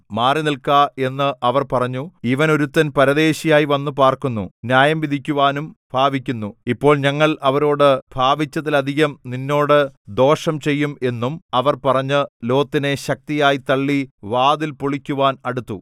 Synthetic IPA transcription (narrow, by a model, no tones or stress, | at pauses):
maːrinilkaːe̞nːɨʔɐʋɐrpɐrɐɲːuiʋɐno̞ɾut̪ːɐnpɐɾɐd̪e̞ːɕijaːjiʋɐnːup̬aːrkunːṵnjaːjɐmʋid̪ʱikʲːuʋaːnumb̥ʱaːbikʲːunːuipːo̞ːɭɲɐŋːɐɭɐʋɐɾo̞ːɽɨb̥ʱaːbit͡ɕːɐt̪ːilɐd̪ʱiɣɐmninːo̞ːɽɨd̪o̞ːʂɐmt͡ɕe̞jːume̞nːumɐʋɐrpɐrɐɲːɨlo̞ːt̪ːine̞ɕɐk̚t̪ijaːjit̪ɐɭːiʋaːd̪ilpoɭikʲːuʋaːnɐɽut̪ːṵ